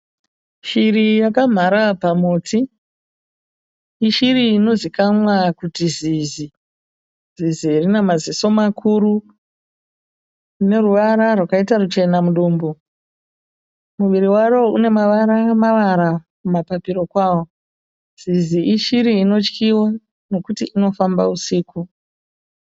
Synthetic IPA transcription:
ʃirijakam̤aɾapamoːtʰi | ʃiɾiːno̞zikamwakutizizi | z̥iziirinamaziso̞makʰuɾu | une̞ruʋaɾarwakaitarut͡ʃe̞namuɗuːmbo | muʋiɾiwaɾo̞une̞maʋaɾamaʋaɾakumapapiɾo̞kwaːwo̞ | z̥iziʔiʃiɾiːno̞t͡ʃkʰiwa | no̞kutiino̞famba̰usiːku

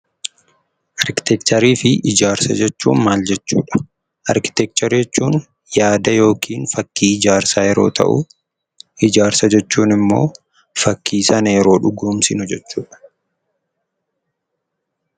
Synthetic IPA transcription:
ʔɐɾkɪ̥t̪ɛkt̪ɐɾiːfɪʔɪd͡ʒaːɾsɐ̰d͡ʒɛt͡ʃːuːnmaːld͡ʒɛt͡ʃːuːᶑɐ̥ | ʔɐɾkɪ̥t̪ɛk̚t͡ʃ̪ɐɾd͡ʒɛt͡ʃːuːn | jaːd̪ɐjo̞ːkʰiːnfɐkːiːɪd͡ʒaːɾsaːjɛɾo̞̰ːt̪ʰɐ̰ʔʊ̰ | ʔɪd͡ʒaːɾsɐd͡ʒɛt͡ʃːuːnɪmːo̞̰ː | fɐkːiːsɐnɐjɛɾo̞ːᶑʊɡuːmsɪnʊd͡ʒɛt͡ʃːuːᶑɐ̥

